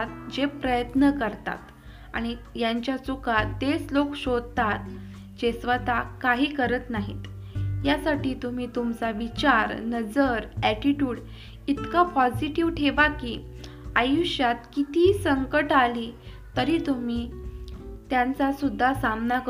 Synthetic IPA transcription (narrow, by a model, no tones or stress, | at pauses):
t̪̚d͡ʑepɾəjət̪nəkəɾt̪a̰t̪ | a̰ɽ̃ijaɲt͡ɕjat͡sukad̪eslokɕod̪̚t̪at̪̚ | d͡ʑesʋət̪akaɦiːkəɾət̪naɦḭt̪ | jasaʈiːt̪um̤iːt̪umt͡saʋit͡ɕaɾnəd͡zəɾæʈiʈjuːɽ | it̪kapɔd͡ʑiʈiʋʈʰeʋakiː | ajuɕjat̪kit̪iːsəŋkəʈaliː | t̪əɾiːt̪um̤iː | t̪jant͡sasud̪ʱːasamnak